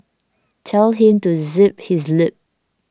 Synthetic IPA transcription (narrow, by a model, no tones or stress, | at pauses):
tʰɛlɦĩmtuzɪp̚hizlɪp̚